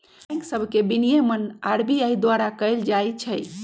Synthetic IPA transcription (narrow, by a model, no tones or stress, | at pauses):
ŋksəbʱkebinijemənaɾbiaid̪waɾakəɪld͡ʒajt͡ʃʰəj